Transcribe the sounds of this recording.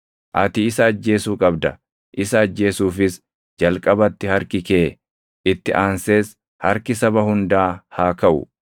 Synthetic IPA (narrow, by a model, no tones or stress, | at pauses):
ʔɐt̪ɪɪsɐːd͡ʒːe̞ːsuːkʼɐbd̪ɐ | ʔɪsɐːd͡ʒːe̞ːsuːfɪs | d͡ʒɐlkʼɐbɐt̪ːɪhɐɾkɪke̞ː | ʔɪt̪ːɪʔaːnse̞ːs | hɐɾkɪsɐbɐhʊnd̪aːhaːkɐʔʊ̰